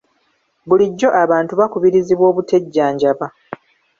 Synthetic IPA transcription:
buliɟːo̞ʔaβaːntuβakuβiɾiziβwo̞ːβute̞ɟːaːɲɟaβa

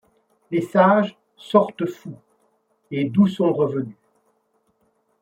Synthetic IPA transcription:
lesaʒ | sɔʁt̪əfu | ed̪usɔ̃ʁəvəny

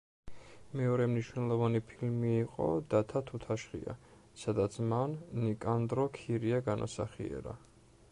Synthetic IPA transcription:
mɛɔɾɛmniʃwnɛlˠɔvanipʰilmiːqʼɔ̰d̪̥at̪ʰat̪ʰut̪ʰaʃχḭa̰ | sad̪at̪sʰmannikʼand̪ɾɔkʰiɾiaɡanʔa̰sa̰χḭɛ̰ɾa̰

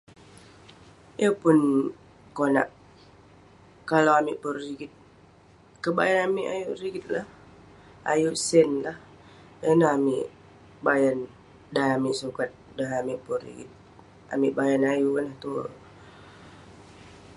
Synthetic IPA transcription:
jəpʊn | kona̰ʔ | kalawamiʔpəriɡɪt̪̚ | kəba̰janamiʔa̰juʔɾiɡit̪̚lah | a̰juʔsɛnlah | jənaɦamiʔ | bajan | daɦamiʔsukat̪̚daɦamiʔpərḭɡḭt̪̚ | a̰miʔbajanajuənaht̪u

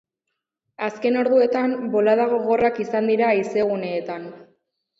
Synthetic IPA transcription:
aske̞no̞ɾðue̞t̪ambo̞laðaɣ̞o̞ɣ̞o̞rakisand̪iɾaise̞ɣ̞une̞ːt̪an

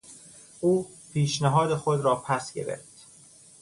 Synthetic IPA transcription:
ʔuː | pʰiːʃnæɦɒːd̪exod̪ɾɒːpʰæsɡe̞̰ɾḛɾt̪

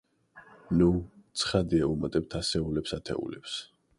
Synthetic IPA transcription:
nut̪sʰχad̪iaumat̪ʼɛb̚t̪ʰasɛulɛpsat̪ʰɛ̰ṵlɛps

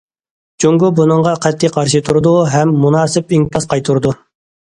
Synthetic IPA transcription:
d͡ʒoŋɡubunɨɴʁɑqʰɛt̪ʰːijqʰɑɾʃɨt̪ʰuɾd̪uɦɛmːunɑːsɪpiŋkʰɑsqʰɑjt̪ʰuɾd̪u

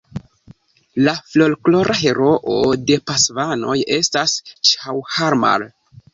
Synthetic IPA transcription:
laflo̞lklo̞ɾʔaɦe̞ɾo̞ʔode̞pasvano̞je̞stast͡ʃawhaɾma̰l

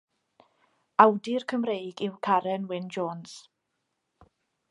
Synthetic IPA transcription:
awdirkʰəmrejɡɪwkʰaɾɛnwɪnd͡ʒoːns

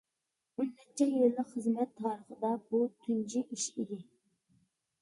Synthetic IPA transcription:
unːɛt͡ʃʰːɛjillːəqχəzmɛt̪ʰːɑːɾəχəd̪ɑbut̪ʰynd͡ʒiʔiʃid̪ɪ

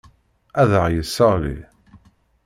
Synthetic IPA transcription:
æðəʁjəsːəʁlḭ

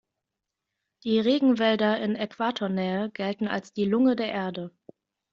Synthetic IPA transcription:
d̥iːʁeːɡŋ̩vɛldɐʔɪnɛkv̥aːtʰoːɐnɛːəɡɛltn̩a̰lsd̥iːlʊŋədeːɐʔeːɐdə

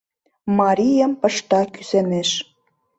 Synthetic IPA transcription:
mɑɾʲijəmpə̆ʃt̪ɑky̥seneʃ

